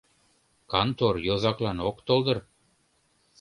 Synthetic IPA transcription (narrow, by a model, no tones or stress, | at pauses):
kɑnt̪orjozɑklɑnokt̪olˠd̪ɤ̆r